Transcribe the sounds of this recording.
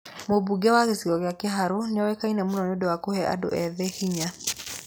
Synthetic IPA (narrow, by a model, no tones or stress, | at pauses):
mobuɡɛwaɣesiɣɔɣjakeɦaɾoneawɛkainɛmunɔnodɛwakohɛʔa̰do̰ʔɛðɛhiɲa